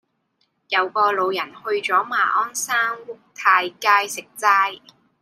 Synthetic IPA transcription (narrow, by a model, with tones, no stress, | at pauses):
jɐ˨˧wkɔː˧lo˨˧wjɐ˨˩nhɵ˧ɥt͡sɔː˨˥ma̰ː˨˩ʔɔː˥nsaː˥ŋwʊ˥k̚t̪ʰaː˧jkaː˧˥jsɪ˨k̚t͡saː˥j